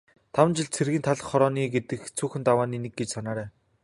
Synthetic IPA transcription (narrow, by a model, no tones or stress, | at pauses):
t̪ʰawɘ̆nt͡ɕɪ̆ɮt͡sʰerɣĭnt̪ʰaɮ̆χːɔɾɔːniːɡet̪ɘ̆kt͡sʰuːxɘ̆nt̪awaːniːnĕk̚ɡet͡ɕsanaːɾæː